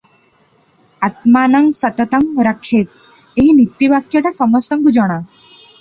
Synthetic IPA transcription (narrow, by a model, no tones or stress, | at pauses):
at̪manəŋɡsət̪ət̪əŋɾakʰet̪̚ | eɦinit̪ːiʋakjəʈasəməst̪ɐŋɡud͡ʒəɽ̃a